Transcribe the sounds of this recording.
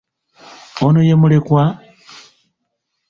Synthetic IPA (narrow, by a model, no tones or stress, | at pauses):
onojemulekwa